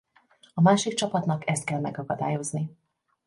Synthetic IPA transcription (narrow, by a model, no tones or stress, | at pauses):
ɒmaːʃikt͡ʃɒpɒt̪nɒkɛst̪̚kɛlmɛɡɒkɒd̪a̰ːjo̞zni